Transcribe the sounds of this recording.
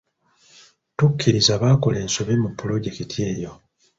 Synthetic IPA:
tukʰːiɾizaβako̞le̞ːnsoβimupːulo̞ɟe̞kitʰje̞ːjo̞

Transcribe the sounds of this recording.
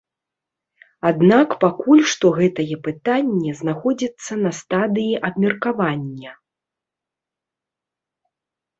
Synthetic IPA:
ad̪nakpakulʲʂt̪ɔɣɛt̪ɐjɛpɨt̪anʲːɛznaxɔd͡zʲit̪sːɐnɐst̪ad̪ɨjiʔɐbmʲɛrkavanʲːɐ

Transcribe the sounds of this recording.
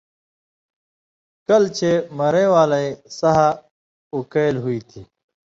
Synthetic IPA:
kɐlt͡ɕʰemɐɾẽːwaːlɐisɐɦa | ukɐlɦuiːt̪ʰiː

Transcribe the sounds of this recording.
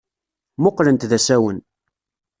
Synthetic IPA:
mʊqːlənt̪ðæsæwən

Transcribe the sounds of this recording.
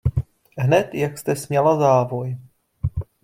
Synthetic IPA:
ɦnɛt̪jakst̪ɛsmɲɛlazaːvoj

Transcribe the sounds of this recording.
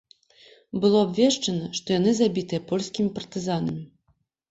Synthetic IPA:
bɨlˠɔabvʲɛʂt͡ʂɐnɐʂt̪ɔjanɨzabʲit̪ɨjɛɐpɔlʲsʲkʲimʲipɐrt̪ɨzanɐmʲi

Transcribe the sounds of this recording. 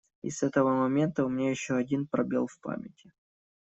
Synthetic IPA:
ɪ̰sɛt̪əvəmɐmʲe̞nt̪əʊmʲɪnʲajɪɕːoɐdʲinpɾɐbʲe̞̰lˠfpa̰mʲɪtʲʰɪ

